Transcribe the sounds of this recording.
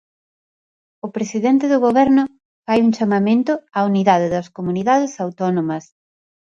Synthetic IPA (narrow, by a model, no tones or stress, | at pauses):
ʊpɾesiðɛnt̪ɪðʊɣoβɛɾnʊ | fajuŋt͡ʃamamẽnt̪ʊauniðaðɪðɐskomuniðaðɪsawt̪ɔnomɐs